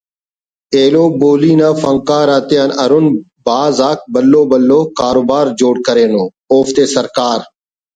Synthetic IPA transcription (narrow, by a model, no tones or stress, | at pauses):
eːloːboːliːnãːfəŋkaːɾaːt̪eːənəɾʊnbaːzaːk̚bəlːoːbəlːoːkaːɾoːbaːɾd͡ʒoːɽkəɾeːnoː | oːft̪eːsəɾkaːɾ